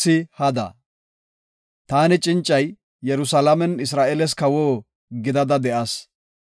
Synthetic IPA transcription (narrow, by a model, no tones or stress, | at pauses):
ɪhɐd̪ɐ̰ | t̪aːnɪt͡ʃʼɪnt͡ʃʼːɐj | jɛɾʊsɐlɐmɛnɪsɾaːʔɛlɛs̬kɐwoː | ɡɪd̪ɐd̪ɐd̪ɛʔɐs